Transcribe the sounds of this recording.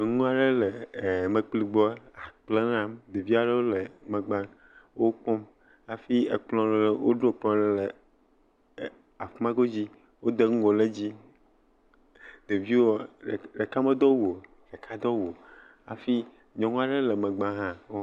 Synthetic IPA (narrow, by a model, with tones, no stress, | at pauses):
ŋũ˦a˨ɖe˦le˨me˨k͡pli˦ɡ͡bɔ˦a˨k͡ple˦nã˦md̪e˨vi˦a˨ɖe˦wo˦le˨mẽ˨ɡ͡bã˦ | wo˦k͡pɔ˦m | a˨fi˦e˨k͡plɔ̃˦le˨le˦wʔo˦ɖo˦˨k͡plɔ̃˦le˦le˨ | a˨fmã˦ɡo˦d͡ʑi˦ | wo˦d̪e˦ŋũ˦wo˨le˦d͡ʑi˦ | d̪e˨vi˦wɔ˦˨ɖe˨ka˦me˦d̪ɔ˦wo˨ | ɖe˨kʰa˦d̪ɔ˦wo˨ | a˨fi˦ | ɲɔ̃˨ŋũ˦a˦ɖe˦le˨mɛ̃˨ɡ͡bã˦ɦã˦wo˦